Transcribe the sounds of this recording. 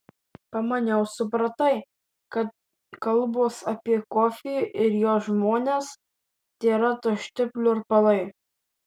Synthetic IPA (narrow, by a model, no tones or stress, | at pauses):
pɐmɐnʲɛʊsʊpɾɐt̪ɐɪ | kɐt̪̚ | kɐlˠboːsɐpʲiɛkɔːfʲijʊʔɪɾjoːsʒmoːnʲeːs | t̪ʲeːɾɐt̪oʃʲt̪ʲɪpʲlʲʊɪɾpɐlˠɐɪ